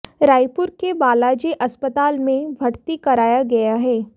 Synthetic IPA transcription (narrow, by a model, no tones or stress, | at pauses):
ɾaːjpʊɾkebaːlaːd͡ʒeʔɐspət̪aːlmẽbʱɐɽt̪ikɐɾaːjaɡɐjaɦɛː